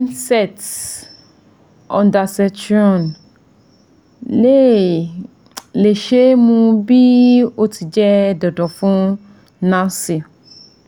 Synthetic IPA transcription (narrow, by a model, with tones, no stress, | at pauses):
nsɛ˦t | ɔ̃˨nda˨sɛ˨t͡ʃɔ˨n | le˦ | le˨ʃe˦mũ˦bi˦o˦tʰi˨d͡ʒɛ˦dɔ˨dɔ˨fʊ̃˦ | nã˦sɪ˨